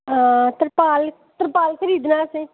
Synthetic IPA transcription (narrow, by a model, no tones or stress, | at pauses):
t̪əɾpaːl | t̪əɾpaːlkʰəɾiːd̪naːsẽː